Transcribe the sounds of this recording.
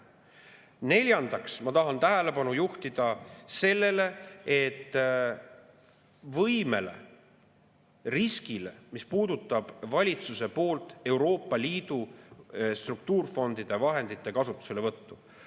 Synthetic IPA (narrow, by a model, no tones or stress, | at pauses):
ne̞lʲjɑnd̪̥ɑksmɑt̪ɑɦɑnt̪æɦæle̞pɑnujuht̪id̪̥ɑse̞lːe̞le̞et̪ːˑ | vɤjme̞le̞̰ | riskile̞̰mispuːd̪̥ut̪ˑːɑb̥vɑlʲit̪suse̞po̞ːlt̪ˑe̞wɾo̞ːpːˑɑliːd̪̥u | st̪rukt̪uːrfo̞nd̪̥id̪̥e̞vɑɦe̞nd̪̥it̪ːˑe̞kɑsut̪ːˑu̥se̞le̞vɤt̪ːu